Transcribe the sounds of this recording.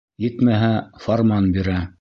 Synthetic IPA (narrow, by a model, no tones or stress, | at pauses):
jɘt̪mæɦæformɑnbiɾæ